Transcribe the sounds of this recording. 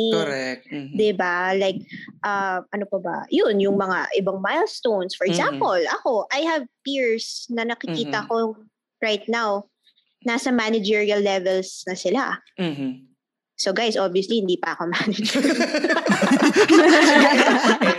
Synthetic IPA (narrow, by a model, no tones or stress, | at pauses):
ɛd̪ɪbalajk̚ʔɐmʔɐnopɐbɐ̰jʊnjʊŋmɐŋa̰ʔɪbɐŋmajlst̪ownsfɔɹɛɡzãmpolʔɐko̞ʔɐjhɐvpiɹsnɐnɐkɪkiːt̪ɐko | ɹajt̪̚naw | nasɐmanɐd͡ʒɛɹiɐlːɛvɛlsnɐsɪla̰ | soɡajsʔobijʊslihɪnd̪iːpɐʔɐkomanɛd͡ʒɛ